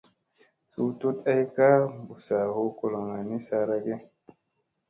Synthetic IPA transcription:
su˦tu˦ta˦jka˦bu˨sa˨ho˦ko˨lo˨ŋa˨ni˦sa˧ɾa˦ɡe˦

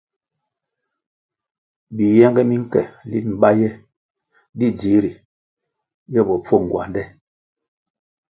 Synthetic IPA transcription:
bi˨jɛ˦ŋɡɛ˦mi˦ŋ̩˦kɛ̰˨li˦m̩˨ba˦jɛ˦ | di˦d͡ʒi˨˦ɾi˨ | jɛ˦˨bɔ˨p͡fo˦˨ŋ˨ɡwa̰˨ndɛ˦

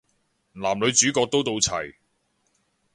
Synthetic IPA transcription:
laː˨˩mlɵ˨˧ɥt͡syː˨˥kɔː˧k̚t̪o˥wt̪o˧wt͡sʰɐ̰˨˩j

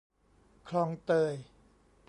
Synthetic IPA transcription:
kʰlɔː˧ŋt̪ɤː˧˩j | p

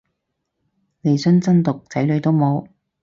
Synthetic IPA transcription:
le˨jsɵ˥nt͡sɐ˥nt̪ʊ˨k̚t͡sɐ˨˥jlɵ˨˧ɥt̪o˥wmo˨˧w

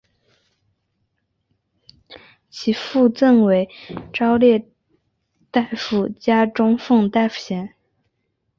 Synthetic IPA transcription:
t͡ɕʰi˧˥fu˥˧t͡sə˥˩nwe˧˥ɪʈ͡ʂɑ˥ʊljɛ˥˧ | t̪a˥˩ɪfu˥˩t͡ɕja˥ʈ͡ʂʊ˥ŋfɤ˥˧ŋt̪a˥˩ɪfu̥˥˩ɕjɛ˧˥n

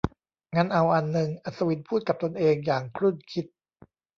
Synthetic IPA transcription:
ŋa˦˥nʔa˧wʔa˧nːɯ˨˩ŋʔa˧˩sa˧wi˧˥npʰuː˥˩t̪̚ka˨˩p̚t̪o˧nʔeː˧ŋjaː˨˩ŋkʰɾu˥˩nkʰi˦˥t̪̚

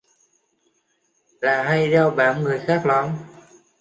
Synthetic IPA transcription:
laː˨˩ɦa˧jɗa˧wɓa̰ː˨˧˥nŋɨ˨˩əjxaː˦˥k̚la˨˦n

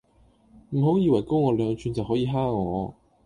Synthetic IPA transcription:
m̩˨˩ɦo˨˥wjiː˨˧wɐ˨˩jko˥wŋɔː˨˧lœː˨˧ŋt͡ʃʰy˨˧nt͡sɐ˨wɦɔː˨˥jiː˧ɦaː˥ŋɔ̰ː˨˧

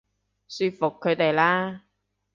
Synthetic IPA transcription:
syː˧t̚fʊ˨kʰːɵ˨˧t̪e˨˩jlaː˥

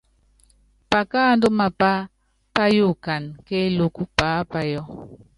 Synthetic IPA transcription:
pa˨kaː˦n˦do˦ma˨pa˦ | pa˦ju˦˨ka˨nke˦lo˦ku˦paː˨˦pa˦jɔ˦

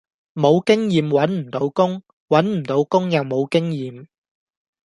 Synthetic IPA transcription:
mo˨˧wkɪ˥ŋjiː˨mwɐ˨˥nm̩˨˩t̪o˨˧˥wkʊ˥ŋ | wɐ˨˥nm̩˨˩t̪o˨˥wkʊ˥ŋjɐ˨wmo˨˧wkɪ˥ŋjiː˨m

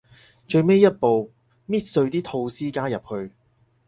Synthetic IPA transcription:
t͡ʃɵ˧ɥme˥jːɐ˥t̚po˨w | miː˥t̚sɵ˧ɥt̪iː˥t̪ʰo˧wsiː˥kaː˥jɐ˨p̚hɵ˧ɥ

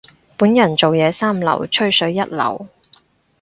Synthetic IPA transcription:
puː˨˥njɐ˨˩nt͡so˨wjɛː˨˧saː˥mlɐ̰˨˩wt͡ʃʰɵ˥ɥsɵ˨˥ɥːɐ˥t̚lɐ̰˨˩w

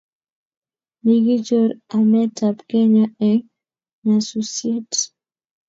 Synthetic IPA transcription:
niɡi˦d͡ʒo˦ɾa˨mɛ˦tʰa˨pke˦ɲa˦ɛ˨ŋ | ɲa˨su˦sje˦t

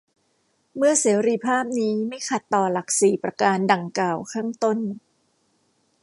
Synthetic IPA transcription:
mɯ˥˩ɐseː˩˦ɾi˧˩pʰaː˥˩p̚niː˦˥ma˥˩jkʰa˨˩t̪ːɔː˨˩la˨˩k̚siː˨˩pɾa˧kaː˧nda˨˩ŋklaː˨˩wkʰaː˥˩ŋt̪o˥˩n

